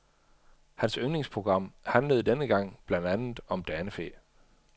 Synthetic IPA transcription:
hænsøŋne̝ŋspʰʁo̝ɡ̥ʁɑ̈m̰hænləð̞̩ˠd̥enəɡ̥ɑ̈ŋ̰b̥lænd̥ænð̩ˠɒ̽md̥æːnəfe̝̰

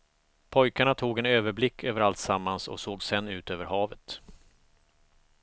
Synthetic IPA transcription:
pʰɔjkaɳat̪ʰuːɡɛnøːvəɾblɪkʰːøːvəɾalt̪samːansɔ̰soːɡsɛnːʉ̟ːt̪øːvəɾhɑːvət̪

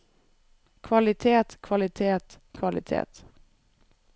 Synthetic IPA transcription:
kʰvɑlɪt̪ʰeːt̪kʰvalɪt̪ʰeːt̪ | kʰvalɪ̰t̪ʰḛːt̪

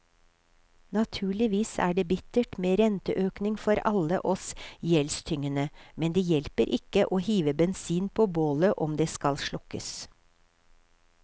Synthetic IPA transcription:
nɑt̪ʰʉːɭɪʋiːsæ̰ːɖeːbɪt̪əʈmeːɾɛnt̪əʔøːknɪŋfɔɾɑləʔɔsjɛlst̪ʰʏŋənəmɛnd̪eːjɛlpəɾʔɪkəʔoːhiːʋəbɛnsiːnpʰoːboːləʔɔmd̪eːskɑlʃlɔkəs

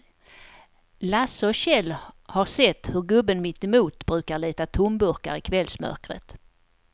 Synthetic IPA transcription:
lasəɔɕɛlːhaɾsɛt̪ːhɵɾɡɵbːənmɪt̪ːɛmuːt̪bɾʉ̟ːkaɾɭiːt̪at̪ʰʊmbɵɾka̰ɾɪkʰvɛlsmœ̰ɾkɾə̰t̪

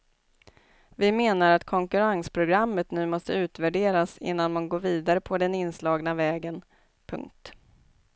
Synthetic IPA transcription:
vɪmeːnaɾat̪kʰɔŋkɵɾaŋspʰɾʊɡɾamːət̪nʉ̟ːmɔst̪əʉ̟ːt̪væɖeːɾasɪ̰nːanmanɡoːɾviːd̪aɾəpʰɔd̪ɛnɪnslɑːɡnavɛːɡən | pʰɵ̰ŋk̚t̪

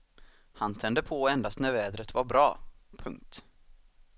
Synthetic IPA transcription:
hant̪ʰɛnd̪əpʰɔɛnd̪ast̪næɾvɛːd̪ɾət̪vaɾbɾɑːpʰɵŋk̚t̪

